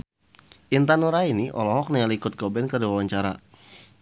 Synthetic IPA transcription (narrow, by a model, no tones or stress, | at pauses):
ʔint̪anuɾainiʔɔ̰lɔɦɔk̚najalikʊt̪̚ɡɔbɛnkərdiwawaɲt͡ʃaɾa̰